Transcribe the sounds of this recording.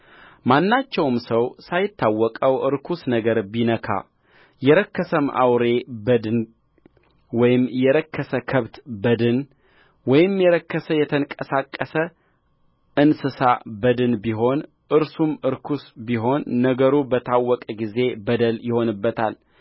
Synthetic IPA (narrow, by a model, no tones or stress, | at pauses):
manːat͡ʃːɛwmsəwsajɪt̪ːawːɔkʼəwʔɨɾkʰusnəɡəɾbinəkʰa̰ | jɛɾəkːəsəmʔa̰wɾe̞bəd̪ɨn | wɔjɪmjɛɾəkːəsəkʰəβt̪bəd̪ɨn | wɔjɪmjɛɾəkːəsəjɛt̪ʰəŋkʼəsakʼːəsə | ʔɨnsɨsabəd̪ɨnbiɦo̞n | ʔɨɾsumɨɾkʰusbiɦo̞nːəɡəɾubət̪ʰawːɔkʼɡize̞bəd̪əljɪho̞nɨbːət̪ʰal